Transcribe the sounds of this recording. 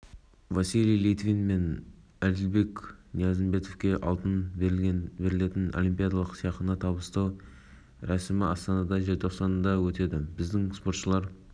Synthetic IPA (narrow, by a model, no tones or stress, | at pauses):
vɑsilijlˠijt̪vinme̞n | æld̪ɪlbe̞kʲnijɑzəmbe̞t̪ofkʲe̞ʔɑ̰lˠt̪ən | be̞ɾɪle̞t̪ɪnolˠijmpʲijad̪ɑlˠəqsijɑq̪ənɑt̪ʰɑbəst̪ɑw | ɾæsɪmɪʔɑst̪ɑnɑd̪ɑʒe̞ɾt̪ʰo̞qsɑnd̪ɑwɵt̪e̞d̪ɪbɪzd̪ɪŋspo̞ɾt̪ʃəlˠɑɾ